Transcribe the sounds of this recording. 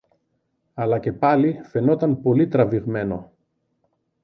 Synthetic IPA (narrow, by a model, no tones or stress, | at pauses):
ɐlɐce̞pɐlife̞no̞t̪ɐnpo̞lit̪ɾɐviɣme̞no̞